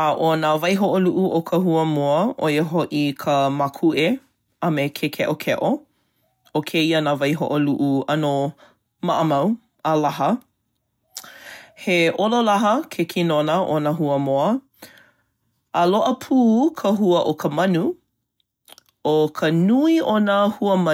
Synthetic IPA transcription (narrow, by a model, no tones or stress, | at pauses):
aʔonavɐjɦoʔoluʔuʔokʰəhuəmoəʔo̰jeɦoʔikʰəmakʰuʔe | ɐmekʰekʰeʔokʰɛʔo | okʰeiənaːvɐjɦo̰ʔoluʔuɐno | maʔəmɐw | əlaɦə | heʔololaɦəkʰekʰinonəʔonəɦuəmoɐ | əloʔəpʰuːkʰəɦuəʔokʰəmɐnu | okʰənuionəhuəmɐ